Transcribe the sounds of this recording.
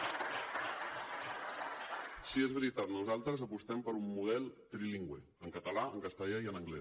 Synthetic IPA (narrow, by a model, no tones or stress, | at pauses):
siezβəɾit̪at̪nuzalˠt̪ɾəzəpust̪ɛmpəɾumːuð̞ɛlˠt̪ɾiliŋɡwe | əŋkət̪əlaəŋkəst̪əʎaiənəŋɡlɛ